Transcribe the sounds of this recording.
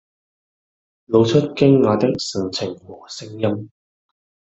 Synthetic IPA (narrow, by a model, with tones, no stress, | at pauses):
lo˨˧wt͡ʃʰɵ˥t̚kɪ˥ŋŋaː˨˧t̪ɪ˥k̚sɪ˨˩ŋt͡sʰɪ˨˩ŋwɔː˨˩sɪ˥ŋjɐ˥m